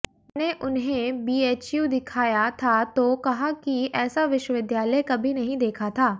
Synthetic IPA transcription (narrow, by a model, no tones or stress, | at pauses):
neʔʊnɦẽbiːeːt͡ʃjuːd̪ɪkʰaːjat̪ʰat̪okɐɦakiɛːsaʋɪʃwəʋɪd̪jaːləjkɐbʱinɐɦĩd̪eːkʰat̪ʰaː